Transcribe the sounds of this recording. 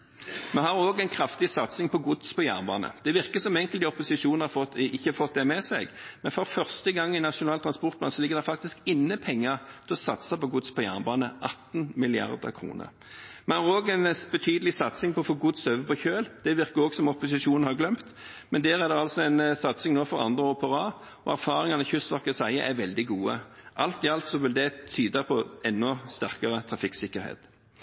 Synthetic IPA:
mɛhɑɾoːɡæɪnkʰɾɑft̪ɪsɑt̪sɪŋpʰɔɡʊd̪spʰɔjæ̰ːʁnbɑ̰ːnə̰d̪̥ɛʋɪʁkəsɔmɛŋkəlt̪ɪɔpʊsɪʂuːn̩hɑfɔɪçːəɑfɔt̪̚d̪ɛmɛsɛɡmɛnfɔɾfœʁst̪əɡɑŋːɪnɑʂʊnɑːlt̪ʰʁɑnspɔʁt̪pblɑ̰nsɔlɪɡːəd̪ɛfɑk̚t̪ɪskɪnːəpʰɛŋːət̪ʰɪlɔsɑt̪sɑpɔɡʊd̪spɔjæ̰ːʁnbɑːnəʔɑt̪nmɪlɪɑ̰ʁd̪ə̰kʰɾṵːnə̰ʁ | mɛnɑɾoːɡɛnbɛt̪ʰyːd̪əlɪsɑt̪sɪŋpʰɔɔfoːɡʊd̪sœːʋəpʰɔçøːld̪̥ɛʋɪɾkəɾɔːɡsɔmɔpʊsɪʃuːnn̩hɑɾɡlœmt̪ | mɛnd̪eːʁæd̪ɛɑlsɔɛnsɑt̪sɪŋnoːfɔɾɑ̰nd̪ʁəɔpəʁɑː | ɔæɾfɑːɾɪŋɑnəçʏsʋɑʁkəsæɪə̰ʔæɾʋɛld̪ɪɡuːə̰ʔɑlt̪ɪɑlt̪sɔʋɪld̪ɛt̪ʰyːd̪ɑpʰɔɛnːɔst̪æʁkəʁət̪ʰɾɑfɪksɪkːəɾhḛːt̪

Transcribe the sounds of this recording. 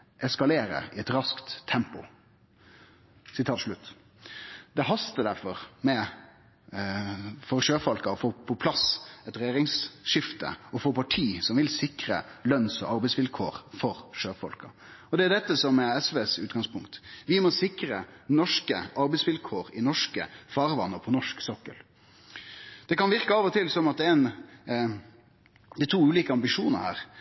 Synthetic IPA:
ʔɛskɑleːɾə̰ɪɛt̪ɾɑskt̪ʰːɛmpʊ | sɪt̪ʰɑːʂɭʉt̪ː | d̪ɛhɑst̪əd̪æɾfɔɾmɛ | fɔɾʂøːfɔlkəɔfoːpʰɔpʰlɑsɛt̪ɾɛjeːɾɪŋsʂɪft̪ə̰ɔfoːpɑʈʰiːsɔmʋɪlsɪkɾə̰lœnsɔ̰ʔɑɾbɛɪsʋɪlkʰoːɾfɔɾʂøːfɔ̰lkɑ | ɔd̪ɛæd̪ɛt̪ːəsɔmɛɛsʋeːsʉːt̪ɡɑŋspʰʊŋkt̪ʋɪmɔsɪkɾənɔʂkə̰ʔɑɾbɛɪsʋɪlkʰoːɾɪnɔʂkə̰fɑːɾʋɑnːəpʰɔnɔʂksɔkːə̰l | d̪̥ɛkɑnʋɪɾkəɑːʋɔt̪ʰɪlsɔmɑt̪ɛn | d̪ɪt̪ʰuːʉːliːkəɑmbɪʂuːnɑ̰hæ̰ːɾ

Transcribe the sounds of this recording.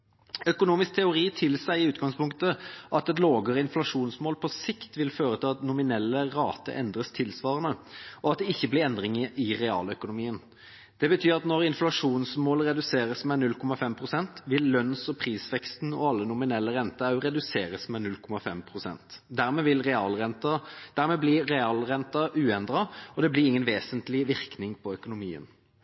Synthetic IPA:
œkʊnuːmɪsk̚t̪ʰɛʊʁiːt̪ʰɪlsæɪɪʉːt̪ɡɑŋspʰʊŋkt̪əʔɑt̪ɛt̪loːɡəʁəɪnflɑʂuːnsmoːlpʰɔsɪkt̪ʋɪlføːɾət̪ʰɪlɑt̪nʊmɪnɛlːəʁɑːt̪ə̰ʔɛnd̪ɾəst̪ʰɪlsʋɑːʁənəɔɑt̪̚d̪ɛɪçːəblɪɾɛnd̪ʁɪŋəɪʁɛɑ̰ːlœkʊnʊmiːən | d̪̥ɛbət̪ʰyːʁɑt̪nɔʁɪnflɑʂuːnsmoːləɾɛd̪ʉseːɾəsmɛnʉlkʰɔmɑfɛmpʰʁʊsɛnt̪ʋɪlːœnsɔpʰʁiːsʋɛkst̪n̩ɔ̰ɑlːənʊmɪnɛlːəʁɛnt̪əɑʉɾɛd̪ʉseːɾəsmɛnʉlkʰɔmɑfɛmpʰɾʊsɛ̰nt̪d̪æɾmɛʋɪlʁɛɑːlɛnt̪ɑd̪̥æɾmɛblɪɾɛɑːlʁɛnt̪ɑʔʉːɛnd̪ʁɑɔd̪ɛblɪɾɪŋːənʋeːsənt̪lɪʋɪʁknɪŋpʰɔœkʊnʊmiːə̰n

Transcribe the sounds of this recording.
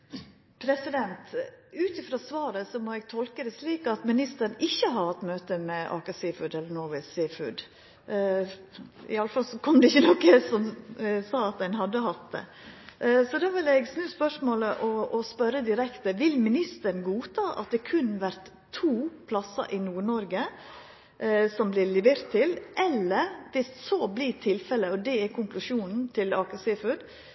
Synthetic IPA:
pʰɾɛsɪd̪ɛnt̪ʉːt̪ɪfɾɑsʋɑːɾəsɔmɔːɛɡ̚t̪ʰɔlkəd̪ɛsliːkɑt̪mɪnɪst̪əɾnɪçːəɦɑɾhɑt̪ːmøːt̪əmɛʔɑ̰ːkɑsɪːfʉd̪ɛlːənɔɾʋɛsɪːfʉ̰d̪ | ɪ̰ɑləfɑlsɔkʰɔmd̪ɛɪçːənɔkːəsɔmsɑːɑt̪̚d̪æɪnhɑd̪ːəhɑt̪̚d̪ɛ̰ | sɔd̪ɑʋɪlɛɡsnʉːspœʂmoːləʔɔɔspœɾəd̪ɪɾɛkt̪əʋɪlmɪnɪst̪əɾnɡuːt̪ʰɑːʔɑ̰t̪̚d̪ɛkʰʉnʋæɾt̪ʰːuːpʰlɑsɑ̰ʔɪnuːɳɔɾɡə | sɔmblɪlɪʋeːɾt̪ʰːɪlʔɛlːəɾʋɪssoːblɪt̪ʰɪlfɛləɔd̪ɛæɾkʰʊŋklʉʂuːnn̩t̪ʰɪlɑːkəsɪfʉd̪

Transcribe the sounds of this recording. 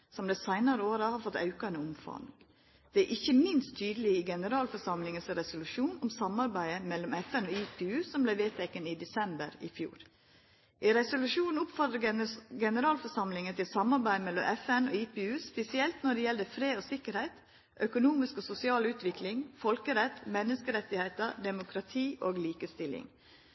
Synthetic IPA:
sɔmd̪ɛsæɪnɑɾəoːɾɑhɑɾfɔt̪ːɑ̰ʉkɑnəʊmfɑ̰ŋ | d̪̥ɛæɾʔɪçːəmɪnst̪ʰːyːd̪əlɪɪɡɛnəɾɑːlfɔsɑmlɪŋəsɾɛsʊlʉʂuːnɔmsɑmɑɾbæɪəmɛlːɔmɛfɛnɔːiːpʰeːʉːsɔmblæɪʋeːt̪ʰɛkːənid̪ɛsɛmbəɾɪ̰fjṵːɾ | ʔɪɾɛsʊlʉʂuːnn̩ʊpfɔɾt̪əɡɛnəɾɑːlfɔsɑmlɪŋət̪ɪlsɑmɑɾbæɪmɛlːɔmʔɛfɛnoːiːpeːʉːspɛsɪɛlt̪nɔɖɛjɛld̪əfɾeːd̪oːsɪkəɾhæɪt̪ | ʔœkʊnuːmɪskosʊsɪɑːlʉːt̪ʰʋɪklɪŋfɔlkəɾɛt̪ːmɛnːəskəɾɛt̪ːɪhæɪt̪əd̪ɛmʊkʰɾɑt̪ʰiːʔoːɡliːkəst̪ɪlɪ̰ŋ

